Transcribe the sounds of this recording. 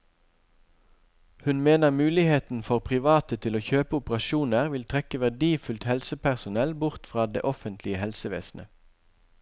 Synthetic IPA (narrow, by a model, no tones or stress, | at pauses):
hʉnmeːnəʁmʉːlɪheːt̪n̩fɔʁpʰʁɪʋɑːt̪ət̪ʰɪloːçøːpəʊpəʁɑʃuːnəʁʋɪlt̪ʰʁɛkəʋæʁɖ̪iːfʉlt̪hɛlsəpʰæʁsʊnɛlbʊʁt̪fʁɑːd̪ḛːʔɔfənt̪ʰlɪəhɛlsəʋḛːsnʔə̰